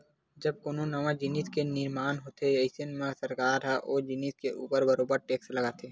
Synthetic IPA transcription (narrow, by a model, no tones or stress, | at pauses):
d͡ʒəb̚koːnõnəmãd͡ʒɪniskenɪɾmaːnɦoːt̪ʰeɪsenmẽsəɾkaːɾɦɛʔoːd͡ʒɪniskeʔuːpəɾbəɾoːbəɾʈeːksləɡaːt̪ʰeː